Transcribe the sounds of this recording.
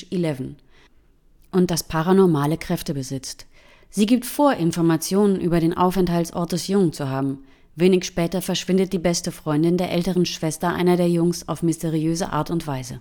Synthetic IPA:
ilɛvn̩ | ʔʊnt̚d̥aspʰaʁanɔɐmaːləkʁ̥ɛftəbəzɪt͡st | z̥iːɡiːp̚tfoːɐʔɪnfɔɐmat͡sjoːnənʔyːbɐɾeːnʔa̰ʊfɛnthaltsʔɔ̰ɐt̚d̥ɛsjʊŋt͡suɦaːbm̩ | veːnɪçʃpɛːtɐfɛɐʃv̥ɪndət̚d̥iːbɛstəfʁ̥ɔʏndɪndeːɐʔɛltəʁənʃv̥ɛstɐʔa̰ɪnɐdeːɐjʊŋsa̰ʊfmɪsteʁ̞iøːzə̰ʔa̰ːɐtʊntv̥aɪzə̰

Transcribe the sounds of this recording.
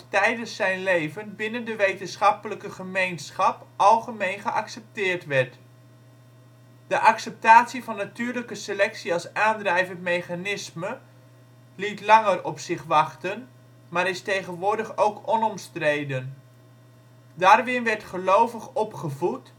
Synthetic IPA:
tɛjdəsɛjnlejvənbɪnəndəʋejtənsχɑpələkəχəmejnsχɑpʔɑlˠχəmejnχəʔɑksɛp̚tɪːrtʋɛrt | dəʔɑksɛp̚taːtsivɑnːatyːrləkəsəlɛksiɑlˠsaːndrɛjvəntmejχanɪsmə | litlɑŋərɔpsɪχʋɑχtən | maːɾɪstejχənʋʊːɹdəχowkʰɔnɔmstrejdən | daːrʋɪnʋɛrtχəlowvəχɔpχəvut

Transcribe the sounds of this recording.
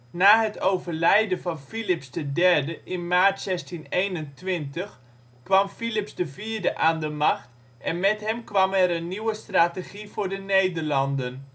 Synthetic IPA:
naːɦətʰowvərlɛjdənfɔnfilɪpsdədɛrdəʔɪnmaːɹtsɛstinejnəntʋɪntəx | kʋɑmfilɪpsdəviːɹdəʔaːndəmaxt | ʔɛnmɛtɦɛmkʋɑmɛɾənːiwəstraːteɣ̥ivʊːɹdənejdərlɑndən

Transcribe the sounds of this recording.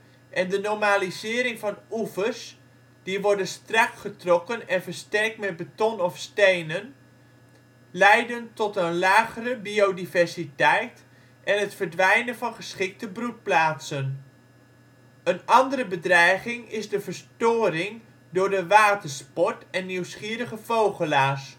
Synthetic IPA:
ʔɛndənɔɹmaːlizɪːɾɪŋvɑnufəɹs | d̥iʋɔɹdənstrɑkχətrɔkənɛnvəɹstɛɹk̚tmɛt̚bətɔnɔfstejnən | lɛjdəntɔtənlaːχərəbiowdivɛɹsitɛjt | ʔɛnɦətfəɹdʋɛjnənvɑnχəsχɪk̚təbrut̚plaːtsən | ənɑndərəbədrɛjχɪŋɪzdəvəɹstʊːrɪŋ | dʊːɹdəʋaːtəɹspɔɹtɛnːiwsχiːɾəχəv̥owχəlaːs

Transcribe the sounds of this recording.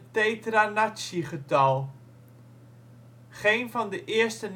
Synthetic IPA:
tejtranasiχətɐlˠ | χejnfɑndəʔɪərstən

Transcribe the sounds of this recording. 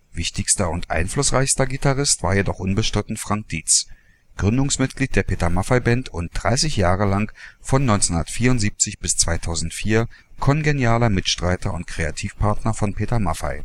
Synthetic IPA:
v̥ɪçtɪçstɐʊntʔa̰ɪnflʊsʁaɪçstɐɡitʰaʁɪstv̥a̰ːɐjedɔχʔʊnbəʃtʁ̥ɪtn̩fʁ̥aŋk̚d̥iːt͡s | ɡ̥ʁʏndʊŋsmɪt̚ɡ̥liːt̚d̥eːɐpʰeːtɐmafaɪbɛntʊnt̚d̥ʁaɪsɪçjaːʁəlaŋfɔnːɔʏnt͡shʊndɐtfiːɐʊntz̥iːp̚t͡sɪçb̥ɪst͡sv̥aɪtʰaʊzn̩tfiːɐ | kʰɔnɡenjaːlɐmɪtʃtʁ̥aɪtʰɐʊntkʁ̥eatʰiːfpʰaɐtnɐfɔnpʰeːtɐmafa̰ɪ

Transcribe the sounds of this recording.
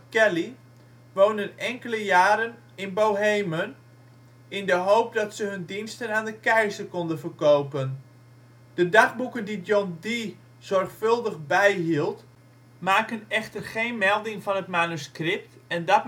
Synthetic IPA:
kɛli | ʋownənɛŋkələjaːɾən | ɪnbowɦejmən | ɪndəɦowp̚dɑtsəɦɵndinstənaːndəkɛjzərkɔndənvərkowpən | d̥ədaχbukəndidjɔndi | z̥ɔrxfɵlˠdəχbɛjɦilˠt | maːkənɛχtərχejnmɛlˠdɪŋvɑnətmanuskrɪp̚tɛndɔt̚

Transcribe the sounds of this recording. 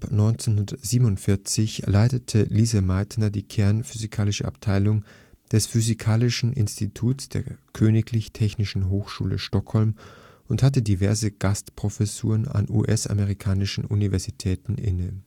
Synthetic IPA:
apnɔʏnt͡senɦʊndɐəz̥iːbənʊntfɪɐt͡sɪçlaɪtətʰəliːzəmaɪtnɐdiːkʰɛɐnfyzikʰaːlɪʃəʔa̰p̚tʰaɪlʊŋ | d̥ɛsfyzikʰaːlɪʃn̩ʔɪ̰nstitʰuːtsd̥eːɐkʰøːnɪkʰlɪçtʰɛçnɪʃn̩ɦoːxʃṵːlə̰ʃtɔkhɔlm | ʔʊnthat̬ədivɛɐzəɡ̥astpʁ̥ofɛsṵːʁ̞əna̰nṵʔɛsa̰məʁikʰaːnɪʃn̩univɛɐzitʰɛːtn̩ʔɪ̰nə

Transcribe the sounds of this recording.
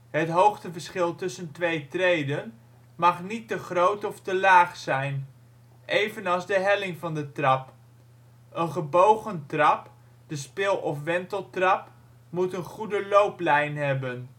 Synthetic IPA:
ɦətɦowχtəvəɹsχɪlˠtɵsəntʋejtrejdən | mɑχnitəχrowtɔftəlaːχsɛjn | ʔejvənɑlˠzdəɦɛlɪŋvɑndətrɑp | ənχəbowχəntrɑp | d̥əspɪlˠɔfʋɛntəlˠtrɑp | mutənχudəlowplɛjnɦɛbən

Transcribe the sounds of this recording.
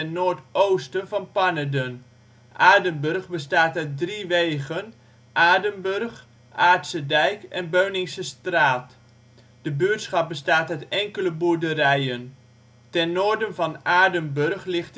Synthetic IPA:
ɛnːoːɹtowstənvɑnpanədən | ʔaːdəmbɵrχbəstaːtœɥt̚driʋejɣən | ʔaːdəmbɵrχ | ʔaːɹtsədɛjkɛnbøɥnɪŋsəstraːt | d̥əbyətsχɑp̚bəstaːtətɛŋkələbuɹdərɛjən | tɛnːoːɹdənvɑnaːdəmbørχlɪχt

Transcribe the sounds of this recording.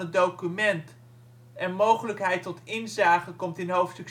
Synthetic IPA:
ədowkymɛnt | ɛnmowχələkɦɛjtɔtɪnzaːχəkɔmtɪnɦowftstɵk

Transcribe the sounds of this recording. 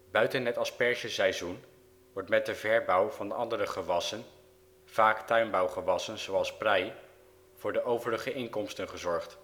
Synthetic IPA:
bœɥtənɦɛtɑspɛɹʒəsɛjzun | ʋɔɹtmɛt̚dəvɛɹbɑwvɑndəɑndərəχəʋɑsən | v̥aːktœɥnbɑwχəʋɑsənz̥owɑlˠsprɛj | v̥ʊːɹdəʔowvələχəʔɪŋkɔmstənχəzɔɹχt

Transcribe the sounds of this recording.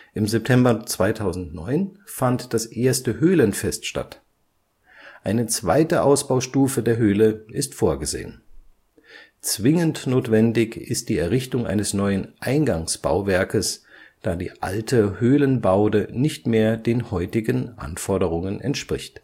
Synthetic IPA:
ʔɪmzɛp̚tʰɛmbɐt͡sv̥aɪtʰaʊzn̩tnɔʏnfantd̥asʔeːɐstəhøːlənfɛstʃta̰t | ʔaɪnət͡sv̥aɪtəʔaʊsb̥aʊʃtuːfədeːɐɦøːləʔɪstfoːɐɡəzḛːən | t͡sv̥ɪŋəntnoːtv̥ɛndɪçɪst̚d̥iːɛɐʁɪçtʊŋʔa̰ɪnəsnɔʏənʔaɪnɡaŋsb̥a̰ʊvɛɐkəsd̥aːdḭːʔa̰ltʰəhøːlənbaʊdənɪçtmeːɐdeːnhɔʏtɪɡənʔa̰nfɔɐdəʁʊŋənʔɛ̰ntʃpʁ̥ɪçt

